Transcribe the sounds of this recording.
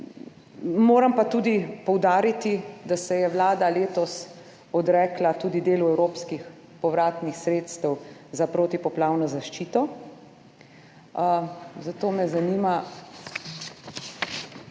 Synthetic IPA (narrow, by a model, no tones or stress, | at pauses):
moːɾampat̪ud̪ipɔwd̪aːɾit̪id̪asɛjɛwlaːd̪aleːt̪ɔs | ɔd̪ɾɛːklat̪uːd̪id̪eːluɛwɾoːpskix | pɔʋɾaːt̪nixsɾeːt̪st̪əwzapɾoːt̪ipɔplaːwnɔzaʃt͡ʃiːt̪ɔ | zat̪oːmɛzaniːma